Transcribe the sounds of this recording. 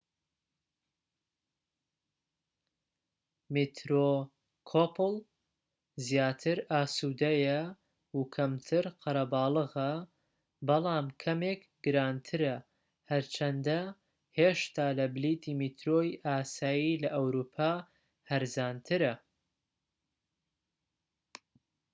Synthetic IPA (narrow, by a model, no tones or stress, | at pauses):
mit̪ʰɾo | kʰopɨlˠ | zjaːt̪ʰɨɾʔaːsuːd̪ɐjɐ | ukʰɐmt̪ʰɨɾqʰɐɾɐbɑːlˠɨɣɐ | bɨlˠɑːmkʰɐmek | ɡɨɾaːnt̪ʰɨɾɐ | hɐɾt͡ʃʰɐnd̪ɐ | heːʃt̪aːlɐblit̪ʰiːmit̪ɾoːjʔaːsaːjilɐʔɐwɾuːpʰaː | hɐɾzaːnt̪ʰɨɾɐ